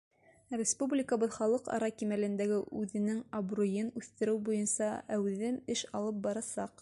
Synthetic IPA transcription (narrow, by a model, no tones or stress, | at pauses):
rʲɪspublʲɪkəβɤðχɑlˠɤqɑ̰ɾɑkimælɘ̆nd̪æɡɘʔʉðɘ̆nɘŋɐbrujɤnʉθt̪ɘ̆ɾɘwbujɤnsɑæwðɘnɘʃɑlˠɤp̚bɑɾɑsɑq